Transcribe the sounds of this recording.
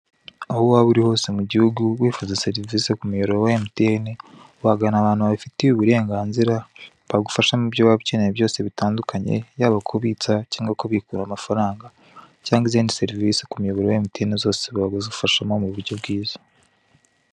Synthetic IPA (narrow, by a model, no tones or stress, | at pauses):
ahowaβuɾiho̞ːsemuɟihuɡuβwiːfuzeseɾivisekumujoɾoɾowaemutene | waɡanaβaːnhuβaβifitiβuβuɾe̞ːŋɡaːnziɾa | βaɡufaʃamubjowaβicenejeβjo̞ːse̞βitaːndukʰaɲe̞̰jaːβakʰoβit͡sacaːŋɡako̞βikuɾamafaɾaːŋɡa | caːŋɡiziːndise̞ɾivisekumujeβoɾowaemutenizo̞ːseβaɡoziufaʃamo̞muβuɾɟo̞bɡiːzḁ